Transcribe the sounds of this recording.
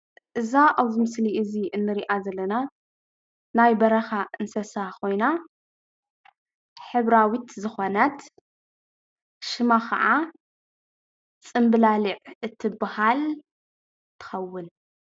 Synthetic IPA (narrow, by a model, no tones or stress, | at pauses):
ʔɨzaʔaβzimɨsliɨziʔɨnːɨɾiʔazɐlːɐna | najbɐɾɐxaʔɨnsɐsakʰo̞jna | ħɨβɾawit̪zɨxanat̪ | ʃɨmakʰɐ̰ʕa | t͡sʼɨmbɨlalɨʕʔɨt̪ʰːɨbahal | t̪ʰɨ̥xɐwːɨn